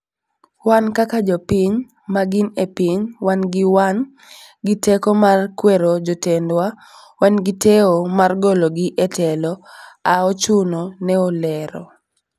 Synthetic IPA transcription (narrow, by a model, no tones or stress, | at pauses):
wankakad͡ʒɔpiɲ | maɡɪnepiɲwanɡɪwan | ɡitekɔmarkweɾod͡ʒotendwa | wanɡɪtɛomarɡoloɡiʔetɛlɔaɔt͡ʃunonɛolɛɾɔ̰